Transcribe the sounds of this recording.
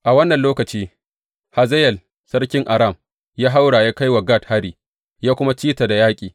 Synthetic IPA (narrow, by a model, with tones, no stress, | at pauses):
ʔa˨wɐ˦nːɐ˨nloː˦kɐ˨t͡ʃiː˦ | ha˨zɛ˦jɛ˨l | sɐ˦rkʲɪ˦ŋʔa˨ɾa˦˨m | jaː˦ɦa˦wɽaː˨jaː˦ka˦jwa˨ɡa˦˨tha˦ɾiː˨ | jaː˦kʷʊ˦ma˦t͡ʃiː˦ta˨da˨jaː˦kʲʼiː˨